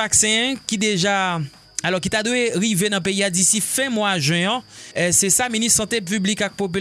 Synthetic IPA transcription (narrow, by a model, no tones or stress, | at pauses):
aksɛ̃kid̪eʒa | alɔʁkit̪ad̪weʁivenɐ̃p̬eiad̪isifɛ̃mwaʒɥɛ̃sɛsaminissɑ̃t̪ep̬yblikak̚pop̬y